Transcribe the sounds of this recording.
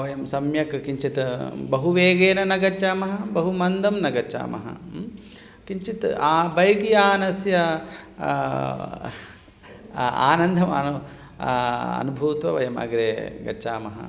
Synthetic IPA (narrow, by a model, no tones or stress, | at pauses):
ʋɐjɐmsɐmjɐkkiɲt͡ʃit̪bɐɦuʋeːɡeːnɐnɐɡɐt͡ʃaːmɐɦɐbɐɦumɐnd̪ʱɐmnɐɡɐt͡ʃa̰ːmɐ̰ɦɐ̰ | kiɲt͡ʃit̪aːbɐjɐɡijaːnɐsjɐ | a̰ːnɐnd̪ʱɐmɐ̰nu | ɐ̰nubʱuːt̪ʋɐʋɐjɐmɐ̰ɡɾeːɡɐ̰t͡ʃaːmɐ̰ɦɐ̰